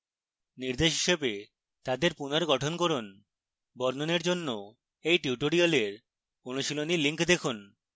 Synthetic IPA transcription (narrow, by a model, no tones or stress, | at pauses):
niɾd̪eʃɦiʃebe | t̪ad̪eɾpunaɾɡɔʈʰonkoɾon | bɔɾnoneɾd͡ʑonːo | ejʈiuʈoɾialeɾ | onuʃiloniliŋkd̪ekʰun